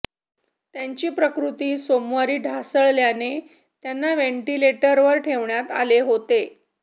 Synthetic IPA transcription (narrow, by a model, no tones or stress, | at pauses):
t̪jaɲt͡ɕiːpɾəkɾut̪iːsomʋaɾiːɖʱasəɭljane | t̪janːaʋeɳʈileʈəɾʋəɾʈʰeʋɳjat̪a̰leɦot̪e